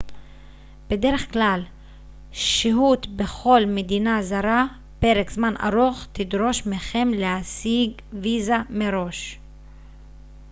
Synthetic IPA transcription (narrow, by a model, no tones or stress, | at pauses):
b̥e̞d̪e̞ɾeχklal | ʃiɦut̪be̞χo̞lmed̪inazaɾa | pe̞ʁekzmana̰ɾoχt̪id̪ɾo̞ʃmeχe̞mleasiɡ | vizameɾo̞ʃ